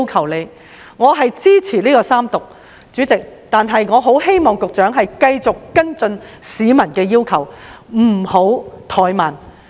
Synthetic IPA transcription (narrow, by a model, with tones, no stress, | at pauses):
wkʰɐ˨˩wle˨˧j | ŋɔː˨˧ɦɐ˨jt͡siː˥t͡sʰiː˨˩liː˥kɔː˧saː˥mt̪ʊ˨k̚ | t͡syː˨˥t͡sɪ˨k̚t̪aː˨nɦɐ˨jŋɔː˨˧ɦo˨˥wɦe˥jmɔː˨ŋkʊ˨k̚t͡ʃœː˨˥ŋɦɐ˨jkɐ˧jt͡sʊ˨kːɐ˥nt͡sɵ˧nsiː˨˥mɐ˨˩nkɛː˧jiː˥wkʰɐ˨˩wm̩˨˩ho˨˥wt̪ʰɔː˨˧jmaː˨˩n